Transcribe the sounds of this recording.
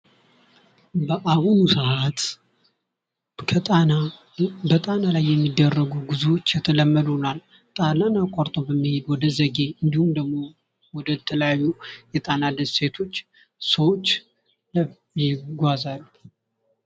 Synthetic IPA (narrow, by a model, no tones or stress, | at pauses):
ʔahunusəʔat̪ | k̪ʰa | bət̪ʼanalajːɛmːid̪ːərːəɡuɡuzuwot͡ʃːjɛt̪ʰələmːəd̪unal | t̪ʼalanakʼaɾt̪ʼobəmːihed̪wɔd̪əzəɡe̞ɨnd̪ihumd̪əɡmo̞ | wɔd̪ət̪ʰələjajːujɛt̪ʼanad̪əse̞t̪ʰo̞t͡ʃː | səwot͡ʃː | l | jɪɡʷazal